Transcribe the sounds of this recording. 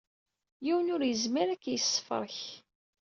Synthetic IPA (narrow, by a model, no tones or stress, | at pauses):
jiwənʊɾjəzmiɾækːjəsːə̥fə̰ɾˤç